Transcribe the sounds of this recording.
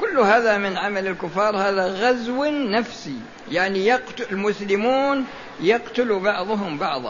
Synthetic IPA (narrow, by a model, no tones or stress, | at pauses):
kʊlːhaːðamɪnʕamalɪlkʊfːɑːɾˤhaːðaɣazwnafsi | jaʕnijɑqt̪ɪlmʊslɪmuːn | jɑqt̪ʊlubɑʕðˤʊɦʊmbɑʕðˤɑ̰